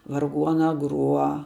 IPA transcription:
ʋɐrˈɡuɔnɐ ˈɡruɔ

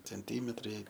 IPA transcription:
t͡sʲɛnʲˈtʲiːmʲɛtrɐɪ

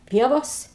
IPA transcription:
ˈpʲiɛʋoːs

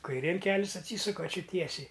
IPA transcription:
kɐɪˈrʲeːn ˈkʲæːlʲɪs ɐtʲˈsʲiːsʊkɐ ɐˈt͡ʃʲɪ ˈtʲiɛsʲɛɪ

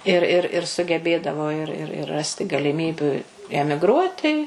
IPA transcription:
ɪr ˈɪr ɪr sʊɡʲɛˈbʲeːdɐʋoː ɪr ˈɪr ɪr ˈrɑːsʲtʲɪ ɡɐlʲɪˈmʲiːbʲʊ ɛmʲɪɡˈruɔtʲɪ

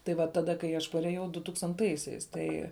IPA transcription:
tɐɪ ˈʋɐ ˈtɑːˌdɐ kɐɪ ɐʃ pɐrʲɛˈjɛʊ dʊtuːkstɐnˈtɐɪsʲɛɪs ˈtɐɪ

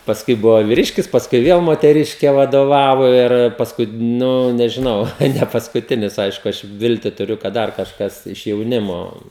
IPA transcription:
pɐsˈkʊɪ ˈbʊʋoː ʋʲɪˈrʲɪʃʲkʲɪs pɐsˈkʊɪ ˈʋʲiɛlˠ moːtʲɛˈrʲɪʃʲkʲɛ ʋɐdoːˈʋɑːʋoː ɪr pɐsˈkʊɪ ˈnʊ nʲɛʒʲɪˈnɐʊ tɐɪ nʲɛpɐskʊˈtʲɪnʲɪs ˈɐɪʃkʊ ˈɐʃ ˈʋʲɪlʲtʲɪ tʊˈrʲʊ kɐt ˈdɐr kɐʃˈkɐs ɪʃ jɛʊˈnʲɪmoː

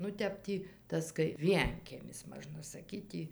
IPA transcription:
nʊ ˈtʲɛp tʲiː ˈtɐs kɐɪ ˈʋʲiɛŋʲkʲiɛmʲɪs ˈmɑːʒnɐ sɐˈkʲiːt tʲiː

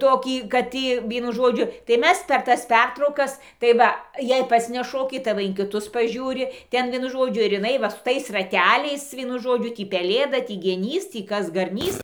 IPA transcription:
ˈtoːkʲiː kɐt ˈtʲiː ˈʋʲiɛnʊ ˈʒoːd͡ʒʲʊ tɐɪ ˈmʲɛs pʲɛr ˈtɐs ˈpʲɛrtrɐʊkɐs tɐɪ ˈʋɐ jɛɪ ˈpɐts nʲɛˈʃoːkʲɪ tɐɪ ˈʋɐ ɪn kʲɪˈtʊs pɐˈʒʲuːrʲɪ ˈtʲɛn ˈʋʲiɛnʊ ˈʒoːd͡ʒʲʊ ɪr ɪˈnɐɪ ʋɐ sʊ ˈtɐɪs rɐˈtʲæːlʲɛɪs ˈʋʲiɛnʊ ˈʒoːd͡ʒʲʊ ˈtʲiː pʲɛˈlʲeːdɐ ˈtʲiː ɡʲɛˈnʲiːs ˈtʲiː ˈkɐs ɡɐrʲˈnʲiːs

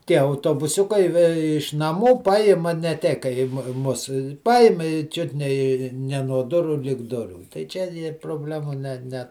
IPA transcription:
ˈtʲiɛ ɐʊtoːbʊˈsʲʊkɐɪ ʋʲɛ ɪʃ nɐˈmuː ˈpɑːjɪmɐ nʲɛ ˈtʲɛɪ kɐɪ ɪ ˈmʊ ˈmʊs ˈpɑːjɪm ɪ ˈt͡ʃʲʊt nʲɛ ɪ ˈnʲɛ nuɔ ˈdʊruː lʲɪk ˈdʊrʲuː tɐɪ ˈt͡ʃʲɛ ɪr proːˈbʲlʲæːmuː ˈnʲɛ ˈnʲɛ

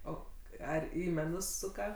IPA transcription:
ˈoː ˈɐr ˈiː mʲɛˈnʊs ˈsʊkɐ

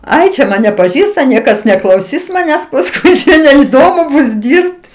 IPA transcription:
ˈɐɪ t͡ʃʲɛ ˈmɑːnʲɛ pɐˈʒʲiːstɐ ˈnʲiɛkɐs nʲɛklˠɐʊˈsʲɪs mɐˈnʲæːs pɐˈskʊɪ nʲɛɪˈdoːmʊ ˈbʊs ˈdʲiːrpt

